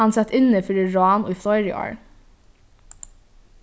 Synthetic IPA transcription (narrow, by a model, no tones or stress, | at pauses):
ɑnsɛt̪ɪnəfœɾiɹɑːno̰ːiːflɔʏɾɪ̰ɑ̰ːɹ